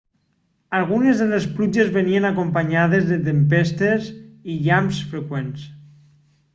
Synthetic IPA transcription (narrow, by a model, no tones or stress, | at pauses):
alˠɣunezðelesplud͡ʒezβenienakompaɲað̞ezðet̪empest̪eziʎamsfɾekwens